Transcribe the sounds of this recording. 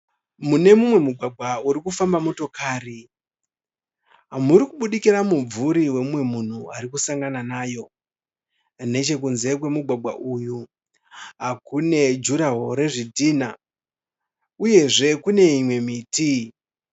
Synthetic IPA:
mune̞mumwe̞muɡʱwaɡʱauɾikufambamoto̞kaːri | ɦamuɾikuɓuɗikiɾamub͡vvuɾiwe̞mwe̞mun̤uaɾikusaŋɡananaːjo̞ | ne̞t͡ʃe̞k̬unze̞k̬we̞muɡʱwaɡʱa̰ʔuːju | ɦakune̞d͡ʒuɾaɦoɾe̞ʐidʱiːna | uje̞ʐe̞kune̞imwe̞miːti

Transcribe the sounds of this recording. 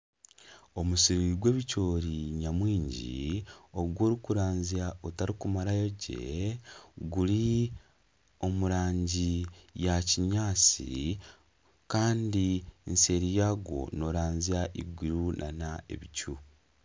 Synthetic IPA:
o̞musiɾiɡwe̞ːβico̞ːɾiɲamwiːɲɟḭoɡwo̞ːɾikuɾaːnziaotaɾikumaɾajoɟḛ | ɡuli | o̞muɾaːɲɟijaciɲaːt͡sḭ | kaːndinse̞ɾijaɡo̞̰no̞ɾaːnziaʔiɡwiɾunʔanae̞̰βicu

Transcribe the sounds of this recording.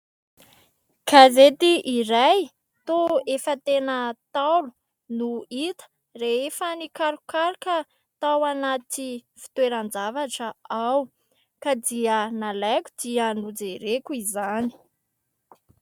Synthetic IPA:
kʰazet̪iʔiɾaj | t̪oefət̪enət̪alu | nuit̪ə̥ | reefənikaɾukaɾkə | t̪awanat̪ifi̥t̪weɾand͡zavaʈ͡ʂəaw | kad̪iənalakʲu̥d̪iənud͡zeɾekuizani̥

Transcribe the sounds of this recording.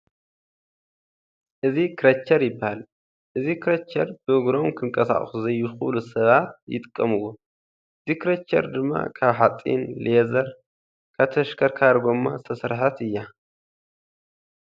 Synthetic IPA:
ʔɨzikʰɨɾɐt͡ʃʰːɐɾjɪbːahal | ʔɨzikʰɨɾɐt͡ʃːɐɾb̥ɨɨɡɾo̞mkʰɨŋkʼɐsa̰χʼsuzɐjːuxulusɐβat̪̚jɪ̰t̪ʼɨkʼːɐmɨwːo | ʔɨzikɾɐt͡ʃːɐ̰ɾd̪ɨmːa̰kʰaβħat͡sʼːḭnlezɐɾ | kʰaβt̪ʰɐʃkʰɐɾkʰaɾɡo̞mːast̪ʰɐsɨɾħat̪ɨjːa

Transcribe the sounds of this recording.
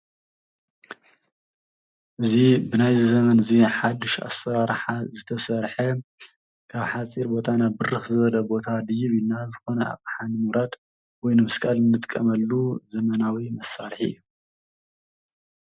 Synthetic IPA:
ʔɨzibɨnajzizɐmɐnɨziħad̪ːɨʃa̰sɐɾaɾħazɨt̪ʰɐsɐɾħɐ | kʰaβħat͡sʼiɾbo̞t̪ʰanabɨrɨxzɨβɐlɐbo̞t̪ʰad̪ɨjɪβjinazɨxo̞nɐa̰kʼħanɨmuɾad̪ | wɔjnɨmɨskʼalɨnːɨt̪ʼkʼːɐmɐlːuzɐmɐnawimɐsaɾħiɨ̰jːu

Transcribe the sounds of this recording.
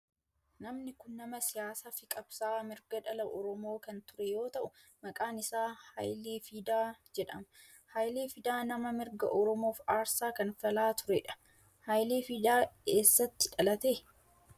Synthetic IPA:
nɐmnɪkʊnːɐmɐsɪjaːsafɪkʼɐb̥saːmɪɾɡɐᶑɐlɐʔɔɾɔmo̞ːkɐnt̪ʊɾɛjo̞ːt̪ɐʔʊ | mɐkʼaːnɪsaːhɐ̰jleːfiːd̪aːd͡ʒɛᶑɐmɐ | hɐjleːfɪd̪aːnɐmɐmɪɾɡɐʔɔɾɔmo̞ːfaːɾsaːkɐnfɐlaːt̪ʊɾɛᶑɐ̥ | hɐjleːfiːd̪aːkeːsːɐt̪ːɪᶑɐlɐt̪e

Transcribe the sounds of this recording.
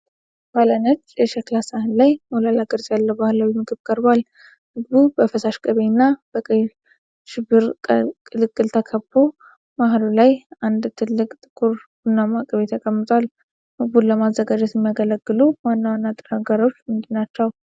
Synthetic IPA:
balanət͡ʃːjɛʃɛklasahɨnlajmolalaɡəɾzʼjalːəwbahɨlawimɨɡɨβkʼəɾbal | mɨɡbubəfəsaʃkʼəβenːab̥əkʼj | ʃɪbːɨɾʼkʼɨlɨkʼːɨlt̪ʰəkʰəbːo̞ | maɦlulajand̪t̪ʰɨlːɨkʼt̪ʼɨkʼuɾ | ɨnːamakʼəβet̪ʰəkʼəmːɨt̪ʼwal | mɨɡbulləmazːəɡad͡ʒɛt̪jɛmːijaɡələɡːɨlumanːəwanːat̪ʼːɨnaɡaɾo̞t͡ʃːmɨnd̪ɨnːat͡ʃːɛw

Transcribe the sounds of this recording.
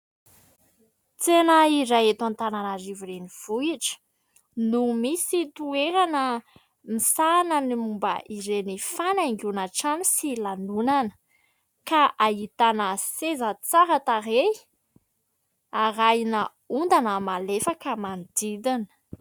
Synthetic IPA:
t͡senəiɾajet̪ant̪ananaɾivuɾeniv̥uiʈ͡ʂə̥ | numisit̪ueɾanə | misanənimumbə̰ʔiɾenifaniŋɡunaʈ͡ʂanisilanunanə̥ | kaʔait̪anəsezət͡saɾat̪aɾe | aɾajnə | und̪anəmalefakəmanid̪id̪inə̥

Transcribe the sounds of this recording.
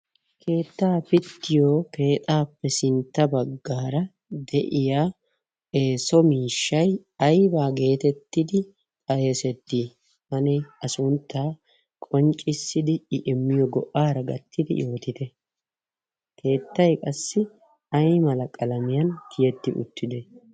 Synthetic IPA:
kʰe̞ːt̪ːaːpɪt̪ːɪjoːke̞ːt̪ʼaːpːɛsɪnt̪ːɐbɐɡːaːɾɐ | d̪ɛʔɪjaː | e̞ːsɔmiːʃːɐj | ɐjbaːɡe̞ːt̪ɛt̪ːɪd̪ɪ | ɐjɛsɛt̪ːiː | mɐnɛɐsʊnt̪ːaː | kʼɔnt͡ʃʼɪsːɪd̪ɪɪʔɪmːɪjɔɡɔʔːaːɾɐɡɐ̰t̪ːɪd̪ɪ̰joːt̪ɪt̪ɛ | kʰe̞ːt̪ːɐjkʼɐsːɪ | ɐjmɐlɐkʼɐlɐmɪjɐnkʰɪjɛt̪ːɪ̰ʔʊ̰t̪ːɪd̪ɛ

